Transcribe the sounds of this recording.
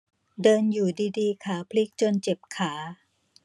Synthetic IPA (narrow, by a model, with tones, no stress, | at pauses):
dɤː˧njuː˨˩diː˧diː˧kʰaː˩˦pʰli˦˥k̚t͡ɕo˧nt͡ɕe˨˩p̚kʰaː˩˦